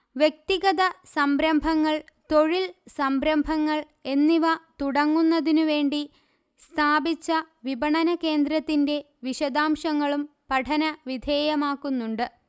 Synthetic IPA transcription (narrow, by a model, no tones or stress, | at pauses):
ʋje̞k̚t̪iɣɐðɐsɐmbɾɐmbʱɐŋːɐɭt̪oɻilsɐmbɾɐmbʱɐŋːɐɭ | e̞nːiʋɐt̪uɽɐŋːunːɐðinuʋe̞ːɳɖi | st̪ʰaːbit͡ɕːɐ | ʋibɐɳɐnɐke̞ːnd̪ɾɐt̪ːinde̞ | ʋiɕɐd̪aːmʂɐŋːɐɭumpɐʈʰɐnɐʋid̪ʱe̞ːjɐmaːkːunːuɳɖɨ